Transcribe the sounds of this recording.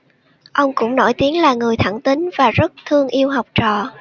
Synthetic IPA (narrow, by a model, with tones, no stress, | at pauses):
ʔə˧wŋ͡mkʊ̰˧˥ŋ͡mno̰˧˩jt̪i˨˦əŋlaː˨˩ŋɨ˨˩əjt̪ʰa˧˩ŋt̪ï˨˦ŋvaː˨˩zə˦˥t̚t̪ʰɨ˧əŋʔi˧əwɦa˨˩wk͡p̚t͡ɕɔ̰˧˨